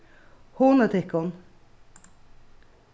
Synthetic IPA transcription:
hoːnət̪ʰɪkɔn

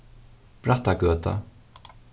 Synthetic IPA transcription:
b̥ɾat̪aɡøːt̪a̰

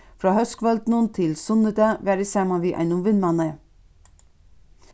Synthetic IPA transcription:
fɾɑːhœskʋœld̪nənt̪ʰɪlsʊnəd̪ɑʋæːɾəsæːmɑnʋiːʔæ̰ɪnʊmʋɪnmɑnə

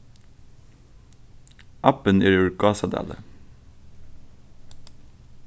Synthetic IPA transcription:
ʔɑpəneːɾʉɹɡɑːsɑd̪æ̰ːlə̰

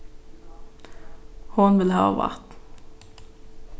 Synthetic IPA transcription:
hʊnʋɪlhɑ̰ːʋa̰ʁt̪

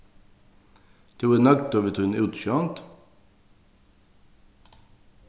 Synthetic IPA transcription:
d̪̥ʰuːənɑk̚t̪oːʋət̪ʰʉnʉːt̪ʃøːɑnt̪

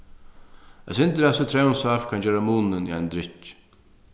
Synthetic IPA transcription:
ɛsɪnt̪əɾasət̪ʰɾɛːʊnsafkʰand͡ʒɛːɾamuːnɪnḭajnd̪ɾɪt͡ʃ

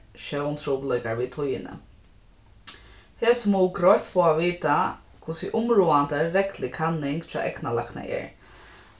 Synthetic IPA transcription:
ʃœwnt̪ʰɾuːplɛkaɹʋiːt̪ʰʊjɪnə̰ | hɛːsmɔwɡɾɔjht̪fɔːaʋiːt̪a | kʰʊsɪʔʊmɾuːant̪əɾɛklɪkʰanːɪŋkt̪ʰa̰ːʔɛknala̰kna̰jɛ̰ɹ

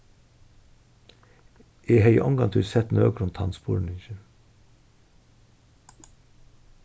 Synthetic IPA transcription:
ʔiːhœʏə̰ʔɔŋɡɑ̰ŋt̪ʰʉːɾsɛt̪nø̰ːɡɾʊnt̪ʰɑ̰nspṵːɾɳ̩ɪçə

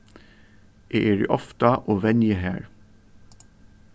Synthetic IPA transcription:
ʔeːʔeːɖḛːʔɔft̪əʔoːʋɛnjəhæ̰ːɹ

